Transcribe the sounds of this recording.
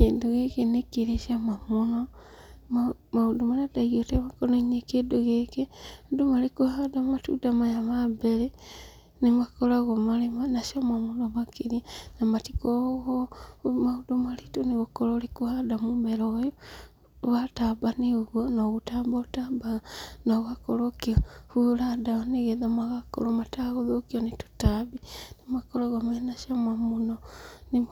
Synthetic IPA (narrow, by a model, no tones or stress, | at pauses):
kendoɣekenekeɾeʃiamamonɔ | maudomaɾataɣiotemakɔnaiɲekedoɣekedomalekohadamatṵdamajamabɛɾe | nemakɔɾaɣomalemanaʃiamamonɔmakeɾianamatikɔɣɔmaudomaɾitoneɣokɔɾɔɾekohadamomɛɾɔjɔ | βatabaneɣwɔnɔɣutabɔtabaɣnɔɣakɔɾɔkiɔhuɾadaɔneɣeðamaɣakɔ̰ɾɔmataɣoðokiɔnetu̥tabinemakɔɾaɣɔmanaʃiɔmamonɔne